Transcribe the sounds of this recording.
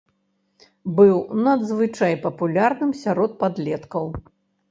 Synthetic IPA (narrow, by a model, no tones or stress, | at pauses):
bɨwnɐd̪zvɨt͡ʂajpɐpulʲarnɨmsʲaɾɔt̪̚pad̪lʲɛt̪kɐw